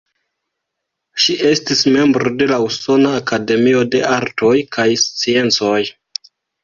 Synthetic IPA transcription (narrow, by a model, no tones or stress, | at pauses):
ʃiʔe̞stisme̞mbɾo̞de̞lauso̞naːkade̞mio̞de̞ʔaɾto̞jkʰajst͡sie̞nt͡so̞j